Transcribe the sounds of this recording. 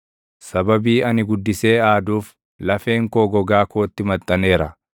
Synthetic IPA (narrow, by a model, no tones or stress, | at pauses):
sɐbɐbiːɐnɪɡʊd̪ːɪse̞ːaːd̪uːf | lɐfe̞ːŋkoːɡɔɡaːkoːt̪ːɪmɐt̪ʼːɐne̞ːɾɐ